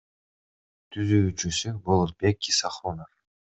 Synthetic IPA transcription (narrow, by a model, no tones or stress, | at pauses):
t̪ʰyzyyt͡ʃysybolˠot̪̚bekːisɑχonof